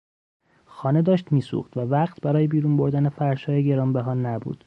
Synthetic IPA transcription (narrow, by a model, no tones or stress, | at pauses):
xɒːne̞d̪ɒːʃt̪miːsṵxt̪vævæɣt̪ʰbæɾɒːjebiːɾuːnboɾd̪æne̞fæɾʃɒːjeɟe̞ɾɒːmbeɦɒːnːæbṵːd̪̥